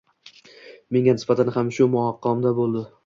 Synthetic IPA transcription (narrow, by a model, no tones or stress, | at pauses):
me̞ŋʲanɪsbat̪ʰanhamʃʊmʊhɒqʰːɒmd̪abolˠd̪ɪ